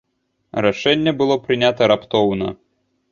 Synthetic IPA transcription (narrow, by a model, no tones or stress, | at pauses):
ɾaʂɛnʲːɛbɨlˠɔpɾɨnʲat̪ɐɾapt̪ɔwnɐ̰